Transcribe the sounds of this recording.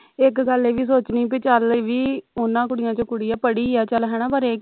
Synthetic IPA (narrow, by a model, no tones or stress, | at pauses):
ɪkɡəleːʋiːs̬oːt͡ʃniːpeːt͡ʃəleʋiːʊnːãːkʊɽɪjãːt͡ʃõːkʊɽiːaːpəɽiːɛːt͡ʃəlɦɛːɽ̃ãːpəɾeː